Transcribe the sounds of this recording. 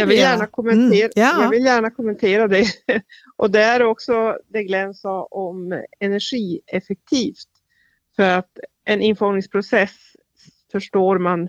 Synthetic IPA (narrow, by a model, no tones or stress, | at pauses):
jɑːɡvɪljæːɳakʰʊmːɛnt̪ʰeːɾjɑːvɪljæːɳakʰʊmːɛnt̪ʰeːɾad̪ɛ | ʔɔd̪ɛæɾɔksɔd̪ɛɡlɛnsaʔɔmɛnæɧiːɛfɛk̚t̪ʰiːft̪ | fœɾat̪ | ʔɛnɪnfɔnɪŋspʰɾʊsɛs | fœʂʈoːɾman